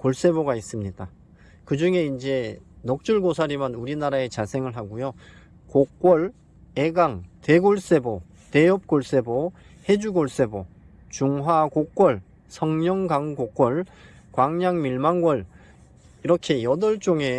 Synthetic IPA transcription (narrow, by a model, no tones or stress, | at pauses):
koɭs͈e̞boɡais͈ɯmɲida | kɯd͡ʑuŋe̞ind͡ʑe̞nʌk̚t͡ɕ͈uɭɡosʰaɾimanuɾinaɾae̞t͡ɕasʰe̞ŋɯɭɦaɡujo | kok͈̚wʌɭ | eɡaŋte̞ɡoɭs͈e̞bo | te̞jʌp̚k͈oɭs͈e̞bo | he̞d͡ʑuɡoɭs͈e̞bo | t͡ɕuŋɦwakok͈ʌɭ | sʰʌŋɲʌŋɡaŋɡok͈ʌɭ | kwaŋɲaŋmiɭmaŋɡwʌɭ | iɾʌkʰe̞jʌdʌɭt͡ɕ͈oŋe̞